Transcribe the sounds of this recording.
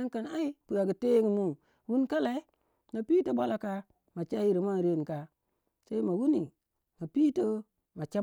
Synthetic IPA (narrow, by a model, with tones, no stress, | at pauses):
a˦ŋka˨na˦i˦pu˨a˨ɡi˨te˦ŋi˦mu˦˨ŋ | wu˦nka˦la˦i˦ | ma˨pi˦to˦ba˦la˨ka˦ | ma˨t͡ʃa˦ji˦˨ɾi˨ma˦n˨ɾe˦˨n˨ka˨ | sa˦i˦ma˨wu˦ni˨ | ma˨pi˦tə˦ | ma˨t͡ʃa˦